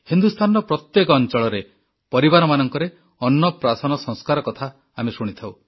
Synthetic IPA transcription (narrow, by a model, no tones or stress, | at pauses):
hind̪ust̪ʰanɔɾɔpɾɔt̪jekɔːnt͡ʃɔɭɔɾe | pɔɾibaɾɔmanɔŋkɔɾe | ɔnːɔpɾasɔnɔsɔ̃ŋskaɾɔkɔt̪ʰaː | mesuɽ̃it̪ʰaw